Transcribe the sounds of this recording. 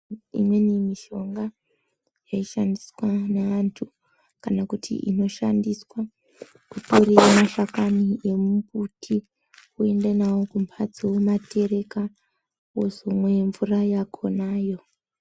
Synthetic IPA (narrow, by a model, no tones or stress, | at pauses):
ḭmwe̞nimiʃo̞ŋɡa | jaiʃandiswanaantʰu | kanakutʰḭʔḭno̞ʃandiswa | kuto̞riamaʃakaniemuputʰi | kue̞ndenawokumpʰad͡ziwomatʰe̞ɾe̞ka | wozomwejeɱvurajakʰo̞naːjo̞